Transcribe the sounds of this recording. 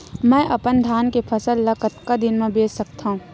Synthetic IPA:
mɛ̃ːʔɐpənd̪ʱjaːnkepʰɐsəlːɐkət̪kad̪ɪnmẽbʱeːssɐkt̪aɦũː

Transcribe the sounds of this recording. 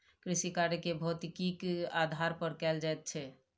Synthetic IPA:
kɾisikaɾjekebʱɔut̪ikikad̪ʱaɾpəɾkɛld͡ʒajt̪̚t͡ʃʰɛ

